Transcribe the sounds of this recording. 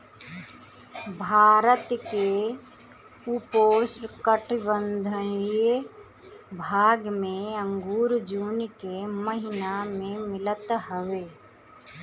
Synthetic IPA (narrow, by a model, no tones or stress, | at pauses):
bʱaːɾət̪ke | upoːsɾkəʈɪbənd̪ʱəj | bʱaːɡmẽə̃ŋɡuːɾd͡ʒuːnkeməɦɪnamẽmɪlət̪ɦəʋeː